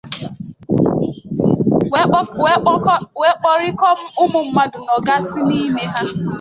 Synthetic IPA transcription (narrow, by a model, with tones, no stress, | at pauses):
we˦k͡pɔ˦ɾɪ˦kɔ˦m̩˦ʊ˦mʊ˨m̩˦ma˨dʊ˨nɔ˨ɡa˦si˦ni˦me˦ɦa˦